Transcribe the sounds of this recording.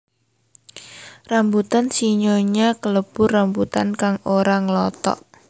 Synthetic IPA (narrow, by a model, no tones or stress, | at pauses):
rambut̪ansiɲoɲakələb̥ʊrambut̪a̰nkaŋoɾaŋəlɔt̪ɔ̰ʔ